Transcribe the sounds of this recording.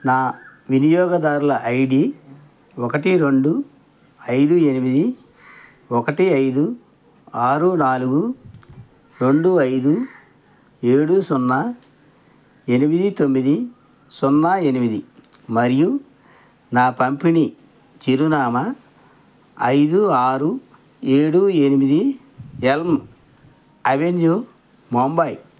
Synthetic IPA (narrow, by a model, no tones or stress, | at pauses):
naːʋinijɔːɡɐd̪aːɾulɐʔɐjɽi | ɔkɐʈiɾe̞ɳɖu | ɐjd̪ue̞nimid̪i | ɔkɐʈiɐjd̪u | aːɾunaːluɡu | ɾe̞ɳɖuɐjd̪u | e̞ːɽusɔnːɐ | e̞nimid̪it̪omːid̪i | sɔnːae̞nimid̪imɐɾiju | naːpɐmpini | t͡ʃiɾunaːmɐ | ɐ̰jd̪uaːɾu | eːɽue̞nimid̪i | elm | ɐʋend͡ʒu | mombɐj